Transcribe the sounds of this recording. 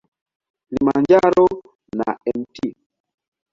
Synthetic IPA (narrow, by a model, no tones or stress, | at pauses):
limand͡ʒaɾɔ | na̰ɛnti